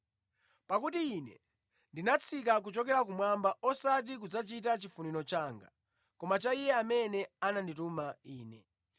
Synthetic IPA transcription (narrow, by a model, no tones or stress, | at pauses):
pakutiːnɛ̰ | ndinat͡sʰik̬ak̬ut͡ʃɔk̬ɛɾak̬umwambaɔsat̬ik̬ud͡zat͡ʃitat͡ʃifuninɔt͡ʃaːŋɡa̰ | kɔmat͡ʃaijɛamɛnɛananditumaiːnɛ̰